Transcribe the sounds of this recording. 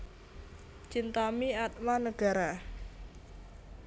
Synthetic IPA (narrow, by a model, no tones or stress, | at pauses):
t͡ʃint̪amiat̪̚wanəɡ̥a̤ɾa